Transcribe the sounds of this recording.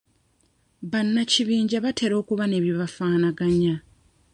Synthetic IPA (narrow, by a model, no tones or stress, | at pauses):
βanːaciβiːɲɟaβatʰe̞ɾo̞ːkuβane̞βjoβafaːnaɡaɲa